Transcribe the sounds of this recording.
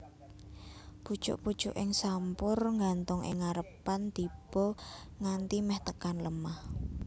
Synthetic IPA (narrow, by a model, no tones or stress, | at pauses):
b̥u̥ʒ̥ʊ̰ʔpud̥ʒ̥ʊʔɪŋsampʊrŋɡant̪ʊŋʔɪ̰ŋaɾəpant̪ib̥ɔŋant̪imɛht̪əkanləmah